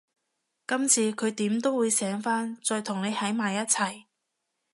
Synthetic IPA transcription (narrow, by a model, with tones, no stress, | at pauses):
kɐ˥mt͡sʰiː˨˧kʰɵ˨˧ɥt̪iː˨˥mt̪o˥wuː˨˧jsɛː˨˥ŋfaː˥nt͡sɔː˧jt̪ʰʊ˨˩ŋne˨˧jhɐ˨˥jmaː˨jɐ˥t̚t͡sʰɐ˨˩j